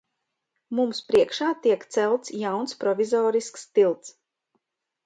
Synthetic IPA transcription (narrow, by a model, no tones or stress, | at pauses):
mumspɾiɛkʃaːt̪iɛkt̪sɛlˠt̪sjawnspɾɔvʲizɔːɾiskst̪ilˠt̪s